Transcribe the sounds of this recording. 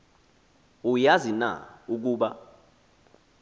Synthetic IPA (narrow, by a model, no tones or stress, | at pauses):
ujazina̰uk̬uːɓa